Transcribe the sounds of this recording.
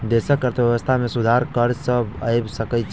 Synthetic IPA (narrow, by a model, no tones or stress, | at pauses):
d̪eːsəkːəɾt̪eʋjəʋəst̪ʰamẽsʊd̪ʱaːɾkəɾsəbəɪbsəkət͡ʃ